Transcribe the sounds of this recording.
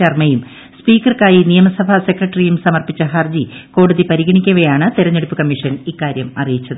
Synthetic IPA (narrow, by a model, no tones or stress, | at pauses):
ɐrmɐjum | spiːkːɐrkaːjinijɐmɐsɐbʱɐse̞krɐʈːɐrijumsɐmɐrpit͡ɕːɐɦɐrd͡ʑiko̞ːɽuðipɐɾiɣɐɳikʲːɐʋɐjaːɳɨt̪iɾɐɲːeɽupːɨkɐmːiʂɐnikːaːɾjɐmɐ̰rijit͡ɕːɐðɨ